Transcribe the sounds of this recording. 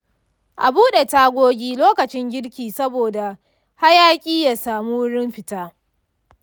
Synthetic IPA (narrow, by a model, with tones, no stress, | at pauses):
ʔa˨buː˦ɗe˨taː˦ɡʷoː˦ɡʲiː˦loː˦kɐ˨t͡ʃɪ˦ŋɡʲɪ˦ɽkʲiː˨sɐ˦boː˨da˨ | ha˦jaː˦kʲʼiː˦jaː˨saː˨muː˦wʊ˦ɽɪ˦mɸɪ˨taː˦